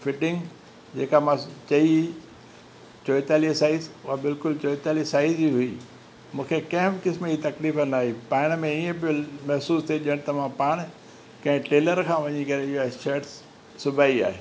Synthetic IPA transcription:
fɪʈɪ̃ŋɡ | d͡ʑeːkamãt͡ɕɐi | t͡ɕoːɪt̪aːlisaːizʊɦabɪlkʊlt͡ɕoːt̪aːlisaːɪziɦʊi | mũːkʰekɐ̃ɦɪ̃bɪkɪsmiːt̪ɐkliːfɐnaːɦipaːɪɽ̃mẽiːə̃bomɐɦsuːst̪ʰeʄiəɽ̃t̪ɐʋãpaːɽ̃ | kɐ̃ɦɪ̃ʈeːləɾkʰãːʋɐɲikɐɾeɪɦoʃɐːʈs | sʊbʱaːia̰ːɦeː

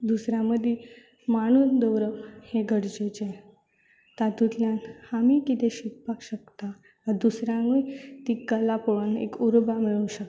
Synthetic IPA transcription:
d̪usɾjãməd̪ʱi | maɽ̃ud̪əwɾəʋheɡʱəɽd͡ʑut͡ɕe | t̪at̪ut̪ljanhamikit̪eɕippːakɕəkt̪a | əd̪usɾjãŋut̪ikəlapoɭunḛkuɾbamiɭuɕək

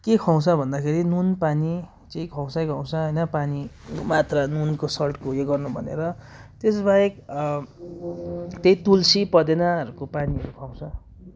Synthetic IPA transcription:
kekʰaw̃sʌbʱʌnd̪akʰeɾinunpani | t͡sʌĩkʰaw̃sajkaw̃saɦʌjnʌpanimat̪ranunkosʌlʈkojeɡʌrnubʱʌ̰nḛɾʌt̪esbaek | t̪ejt̪ulsipʌd̪enaʌɾukopaniʌɾukʰaw̃sʰʌ

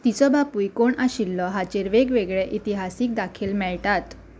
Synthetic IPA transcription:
t̪it͡sɔbapujkoɳaɕilːɔɦat͡ɕeɾʋeɡʋeɡɭɛʔit̪iɦasiːk̚d̪akʰiːlmɛɭʈat̪

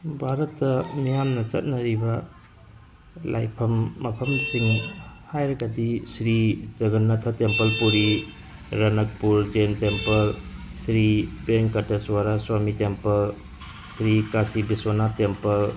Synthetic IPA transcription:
bʱaɾɐtːɐmijamnɐt͡ʃɐt̚nɐɾibɐ | lʔa̰jpʰɐmːɐpʰɐmsiŋhajɾɐɡɐdisɾizɐɡɐnːɐtʰɐtempɐlpuɾi | ɾɐnɐk̚puɾd͡ʒentempɐlsɾibeŋkateswaɾaswamitempɐl | sɾikasibiswanatempɐl

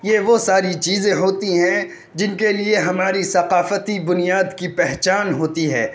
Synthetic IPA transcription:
jeʋosaːɾit͡ʃiːzẽɦoːt̪iɦɛ̃ | d͡ʒɪnkelieɦɐmaːɾisɐqaːfət̪ibʊnijaːd̪kipɛɦt͡ʃaːnɦoːt̪iɦɛː

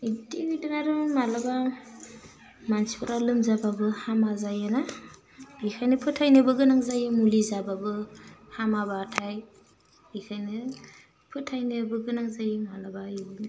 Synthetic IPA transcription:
itinidɯnaɾɯmalaba | mansi̥pʰɯɾalɯmzababɯhamazajena | bikʰajnɯpʰɯtʰajnɯbɯɡɯnaŋzajimulizababɯhamabatʰaj | bikʰajnɯ | pʰɯtʰajnɯbɯɡɯnaŋzajimalabaju

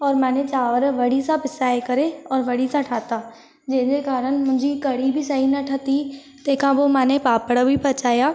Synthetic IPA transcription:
ɔːɾmãːnet͡ɕaːʋəɾʋɐɽisãpɪsaːekɐɾeɔːɾʋɐɽisãʈʰaːt̪aː | d͡ʑɐ̃ɦɪ̃ɲd͡ʑekaːɾəñ̆mʊ̃ɦɪ̃ɲd͡ʑikɐɽibɪsɐɦinɐʈʰɐt̪i | t̪ɐ̃ːkʰãbomaːnepaːpəɽəbʱɪpɐt͡ɕaːjaː

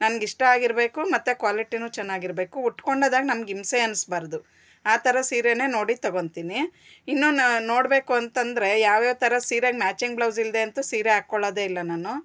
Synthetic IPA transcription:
nɐnɐɡiʂʈɐaːɡiɾbe̞ːkumɐt̪ːekʋaːliʈinuːt͡ʃɛnːaːɡiɾbe̞ːkuːʈko̞ɳɖoːd̪aːɡɐnɐmɐɡimseɐnsbaːɾd̪u | aːt̪ʰɐɾɐsiːɾene̞ːno̞ːɽit̪ɐɡo̞nt̪iːni | inːuːno̞ːɽbe̞ːkuɐnt̪ɐnd̪ɐɾe̞jaːʋjeːt̪ʰɐɾɐsiːɾaɡmaːt͡ʃiŋɡblɐwzild̪e̞ːnt̪usiːɾeaːkːoɭːoːd̪eilːɐnaːnu

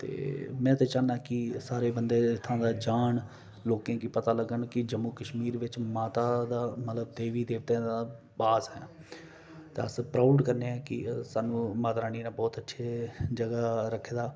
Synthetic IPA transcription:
t̪ḛːmɛ̃ːt̪eːt͡ʃaːnaːkɪsaːɾeːbənd̪eːɪt̪ʰːãːd̪aːd͡ʒaːɳ | loːkãːkiːpət̪aːləɡəɳkɪd͡ʒəmːuːkəʃmiːɾʋɪt͡ʃmaːt̪aːd̪aːmət̪ləbd̪eːʋiːd̪eːʋt̪ẽːd̪aː | baːsɦɛ̃ː | t̪eəspɾaːʊɖkəɾneːãːkɪsaːnũːmaːt̪ɾaːniːnaːbɔːt̪ətːʃʰeːd͡ʒəɡaːɾəkʰːeːd̪aː

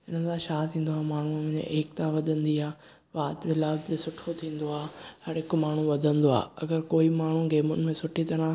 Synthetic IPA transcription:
ɪnə̆sʰãʃaːt̪ʰĩːn̆d̪oaːmaːɳ̤ũm̃ɲḛ̃ʔeːk̚t̪ãʋɐd̪ʱə̃nd̪iaː | ʋaːt̪ʋɪlaːd͡ʑesʊʈʰot̪ʰĩːn̆d̪oaːhɐɾɦɪkmaːɳ̤ũʋɐd̪ʱə̃nd̪oa̰ːɐɡəɾkoːimaːɳ̤ũɡeːmʊnɪ̆mẽsʊʈʰit̪ɐɾ̤ã

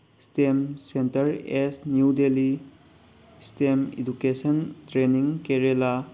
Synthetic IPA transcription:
stemsentɐɾesnjudeli | stemḭdukesəntɾeniŋkeɾela

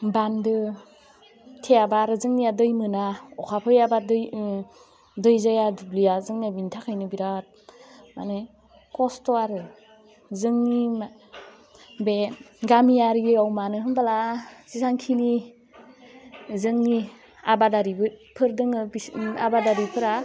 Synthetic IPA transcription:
bandɯ | tʰeabaɾɯzɯŋnijadɯjmɯnaɔkʰapʰɯjabadj | dɯjzajadublijazɯŋniabintʰakʰajnɯbiɾat̚ma̰ne | kɔstɔaɾɯ | zɯŋnima | beɡamijaɾiawmanɯɦɯnbalasisaŋkʰini | zɯŋni | abadaɾibɯpʰɯɾdɯŋɯbiabadaɾipʰɯɾa

